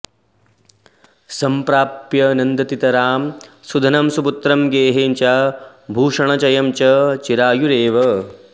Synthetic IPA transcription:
sɐmpɾaːpjɐnɐnd̪ɐt̪it̪ɐɾaːmsud̪ʱɐnɐmsubut̪ɾɐmɡeːɦeːnt͡ʃa | bʱuːʂɐɳɐt͡ʃɐjɐmt͡ʃɐt͡ʃiɾaːjuɾeːʋɐ

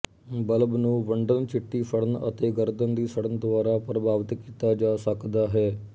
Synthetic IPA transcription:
bələbnũːʋəɳɖənt͡ʃɪʈːiːsəɽənə̰t̪eːɡəɾd̪ənd̪iːsəɽənd̪ʊʋaːɾaːpɾəbʱaːʋət̪kiːt̪aːd͡ʒaːsəkd̪aːɦɛː

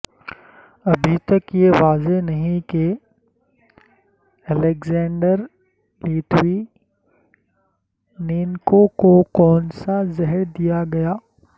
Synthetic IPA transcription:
ɐbʱit̪ɐkjeʋaːzenɐɦĩke | ɛleɡzɛ̃ːɳɖəɾ | liːʈʰwi | niːnkokokɔːnsazɪɦəɾd̪ijaɡɐjaː

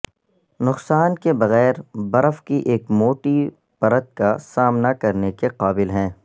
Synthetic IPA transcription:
nʊqsaːnkebɐɣɛːɾbɐɾəfkiʔeːkmoːʈi | pɐɾət̪̚kasaːmnakɐɾnekeqaːbɪlɦɛ̃ː

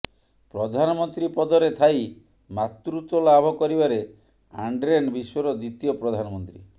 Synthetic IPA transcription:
pɾɔd̪ʱanɔmɔnt̪ɾipɔd̪ʱɔɾet̪ʰaj | mat̪ɾut̪ɔlabʱɔkɔɾibaɾe | aɳɖɾenbiswɔɾɔd̪it̪ijɔpɾɔd̪ʱanɔmɔnt̪ɾḭ

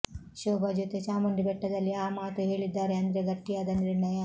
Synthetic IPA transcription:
ʃoːbɐd͡ʒut̪et͡ʃaːmɐɳɖibɛʈːɐd̪ɐlːiaːmaːt̪uɦe̞ːɭid̪ːaːɾeɐnd̪ɐɾeɡɐʈːijaːd̪ɐniɾɳɐjɐ

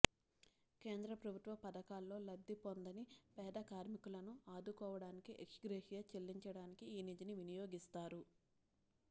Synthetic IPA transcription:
ke̞ːnd̪ɾɐpɾɐbʱut̪ʋɐpɐd̪ɐkaːlːo̞ːlɐd̪ːipond̪ɐnipɛːd̪ɐkaːɾmikulɐnuaːd̪ukɔːʋɐɽaːnikiʔeksɡɾeːhijɐt͡ʃelːiɲt͡ʃɐɽaːnikiːnid̪iniʋinijo̞ːɡist̪aːɾu

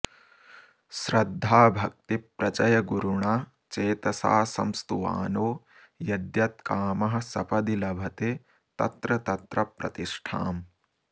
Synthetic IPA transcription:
ʃɾɐd̪ʱːaːbʱɐk̚t̪ipɾɐt͡ʃɐjɐɡuɾuɳaː | t͡ʃeːt̪ɐsa̰ːsɐ̰mst̪uʋa̰ːnoː | jɐd̪jɐt̪kaːmɐɦɐ̆sɐpɐd̪ilɐbʱɐt̪eː | t̪ɐ̰t̪ɾɐt̪ɐt̪ɾɐpɾɐ̰t̪iʂʈʰa̰ːm

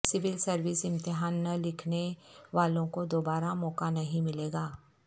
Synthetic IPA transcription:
sɪʋɪlsɐɾʋɪsɪ̃mt̪ɪɦaːnːɐlɪkʰneʋaːlõkod̪oːbaːɾamɔːkanɐɦĩmɪleːɡaː

